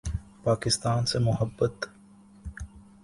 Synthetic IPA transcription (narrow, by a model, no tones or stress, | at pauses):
paːkɪst̪aːnsemʊɦəbːət̪